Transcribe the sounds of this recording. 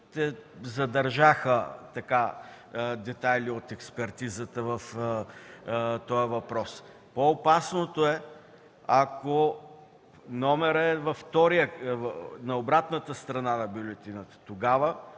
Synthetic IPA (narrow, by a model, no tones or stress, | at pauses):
t̪ɛzɐd̪ɐɾʒaxət̪ɐka | d̪ɛt̪ajliot̪ɛkspɛɾt̪izət̪əvɐf | t̪ɔjəvɐpɾɔs | poːpasnot̪oɛ | ɐko | nɔmɛɾəɛvɐft̪ɔɾijə | nɐobɾat̪nət̪əst̪ɾɐnanɐbjʊlʲɛt̪inət̪ə̥t̪oɡavə